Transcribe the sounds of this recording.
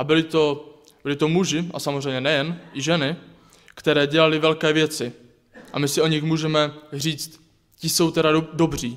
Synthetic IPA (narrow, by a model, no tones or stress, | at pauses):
ʔabɪlɪt̪o̞ | bɪlɪt̪o̞muʒɪʔa̰samozrɛjmɲɛnɛjɛnʔɪʒɛnɪ | kt̪ɛɾɛːɟɛlalɪvɛlkɛːvjɛt͡sɪ | ʔa̰mɪsɪʔo̞ɲɪxmuːʒɛmɛr̝iːt͡st̪ | cɪso̞wt̪ɛɾado̞br̝iː